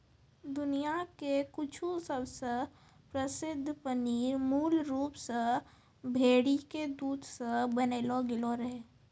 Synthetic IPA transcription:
d̪ʊnijakekʊt͡ʃʰusəbse | pɾəsɪd̪ʱːpənimuːlɾuːpse | bʱeːɽiked̪uːd̪ʱsebəneːloɡɪloɾɦeː

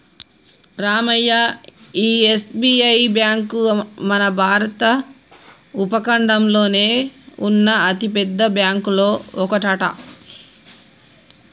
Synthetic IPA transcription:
ɾaːmɐjːaːiːesbiːɐjbjaːŋkmɐnɐbʱaːɾɐt̪ɐ | upɐkɐɳɖɐmlo̞ːne̞ːunːɐɐt̪ipɛd̪ːɐbjaːŋkulo̞ːɔkɐʈɐʈɐ

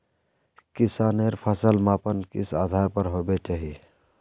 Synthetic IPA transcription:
kɪsaːneɾpʰəsəlmapənkɪsaːd̪ʱaɾpəɾɦobet͡ʃaːɦi

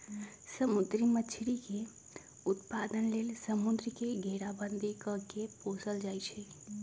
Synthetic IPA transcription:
səmud̪ɾimət͡ʃʰɾike | ʊt̪pad̪ənleːlsəmund̪ɾikeɡʱeɾabənd̪ʱikəkepoːsəld͡ʒaːjt͡ʃʰe

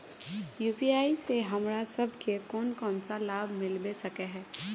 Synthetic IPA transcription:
juːpiaːiseɦɐmɾasɐbʱkekɔːnkɔːnsalaːbʱmɪlbesɐkeɦɛː

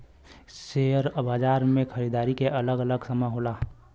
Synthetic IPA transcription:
seːəɾbaːd͡ʒaːɾmẽxʰəɾiːd̪aːɾikeʔɐləɡələɡsɐməɦoːlaː

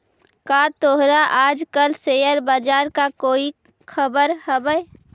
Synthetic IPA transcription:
kat̪oɦɾaʔaːd͡ʒkəlsejəɾbaːd͡ʒaːɾkakoːi | kʰəbəɾhəbəe

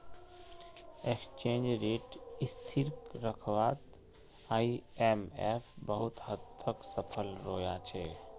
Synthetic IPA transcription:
ekst͡ʃẽːnd͡ʒɾeʈist̪ʰiɾkɾəkʰʋaːt̪ | aiemepʰbəɦut̪hət̪ːəksəpʰəlɾoːjat͡ʃʰɛ

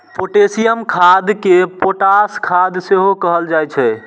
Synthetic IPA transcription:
poʈesijəmkʰad̪kepoʈaskʰad̪seɦokəɦəld͡ʒajt͡ʃʰɛ

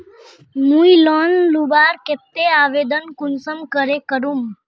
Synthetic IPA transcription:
nuilɔnlubaːɾket̪ːeaːʋed̪ənkunsəmkəɾekəɾum

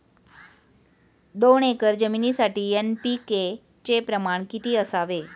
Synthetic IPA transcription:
d̪oɳekəɾd͡ʑəminisaʈiːenpike | t͡ɕepɾəmaɳkit̪iːəsaʋe

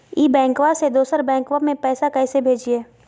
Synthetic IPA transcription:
iːbɛ̃ːŋkwased̪oːsəɾbɛ̃ːŋkʋamẽpɛːsakɛːsebʱeːd͡ʒieː

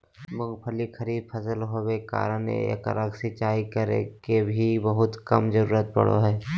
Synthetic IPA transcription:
mʊɡpʰəlixʰəɾiːbpʰɐsəlɦoweka̰ːɾənḛḛkə̰ɾəɡsɪt͡ʃaːikəɾḛkebʱibəɦʊt̪kɐmd͡ʒəɾuːɾət̪̚pɐ̰ɽo̰ɦɛː

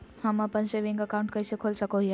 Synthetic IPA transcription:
həməpənseʋĩŋɡəkaʊ̃ɳʈ̚kəisekʰolsəkoɦe

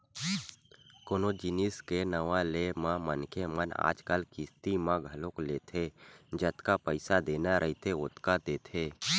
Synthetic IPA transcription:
koːnod͡ʒɪniskenəʋalemãmənkʰeməna̰ːd͡ʒkəlkɪst̪imãɡʱɐlõkleːt̪ʰed͡ʒət̪kapəɪsad̪eːnaɾʔəɦit̪ʰeʊt̪kad̪eːt̪ʰeː

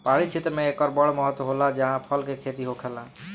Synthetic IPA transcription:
paɽit͡ʃʰet̪ɾəmeekɔɾbəɽmɔɦət̪wɦolad͡ʒaɦãpʰəlkekʰet̪iɦokʰɛla

